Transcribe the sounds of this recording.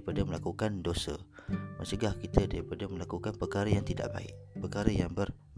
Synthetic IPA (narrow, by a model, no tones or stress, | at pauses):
padəməlakukandosə̰məsəɡahkit̪ʰədaɾipadəməlakukanpərkaɾəjaŋt̪ida̰ʔba̰ɪ̰ʔpərkaɾəjaŋbər